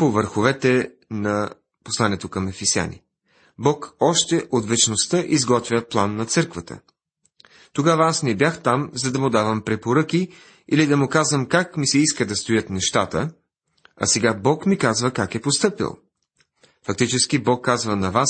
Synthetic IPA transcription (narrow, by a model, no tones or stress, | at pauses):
povəɾxovɛt̪ɛ | nɐ | poslˠanɛt̪okɐmɛfɛsja̰nḭ | bɔkɔʃt̪ɛʔot̪vɛt͡ʃnost̪əʔizɡɔt̪vʲjəplˠanːɐt̪sɤɾkvət̪ə̰ | t̪oɡavəasnɛbjaxt̪amzɐd̪ɐmʊd̪avɐmpɾɛpoɾɤkʲi | ilid̪ɐmʊkazvəmkakmisɛiskəd̪ɐst̪ojət̪nɛʃt̪at̪ə̰ | ɐ̰sɛɡabɔkmikazvəkakɛpost̪ɤpḭlˠ | fɐk̚t̪it͡ʃɛsk̟ibɔkːazvənɐvas